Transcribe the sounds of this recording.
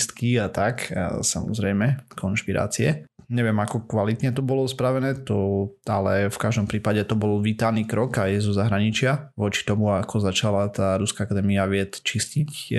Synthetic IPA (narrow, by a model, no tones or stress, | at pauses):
st̪kiat̪aksa̰mɔ̰zɾɛjmɛkʰɔnʃpiɾa̰ːt͡siɛɲɛʋɪɛmakɔkʋalit̪ɲɛt̪ɔbɔlɔspɾaʋɛnɛːt̪ɔalɛfkaʒd̪ɔmpɾiːpaɟɛt̪ɔbɔlʋit̪aniːkɾɔkajzɔzaɦɾaɲit͡ʃɪaʋɔt͡ʃi̥t̪ɔmuakʰɔzat͡ʃalat̪aːɾuskaakad̪ɛːmiaʋɪɛt̪t͡ʃiscic